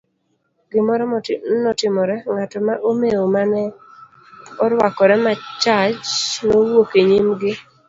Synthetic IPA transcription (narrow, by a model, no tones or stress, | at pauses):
ɡɪmɔɾɔnɔtɪmɔɾɛŋatɔmaʔomeomanɛ | ɔɾwakɔɾɛmat͡ʃat͡ʃnowokeɲimɡɪ